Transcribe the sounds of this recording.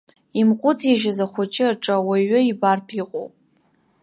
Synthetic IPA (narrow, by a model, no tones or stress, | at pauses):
imqʷʼʊt͡saʒᶣazaχʷʊt͡ʃʼɪaʈ͡ʂʼawaɥɪibarpʰiqʼo̰wpʼ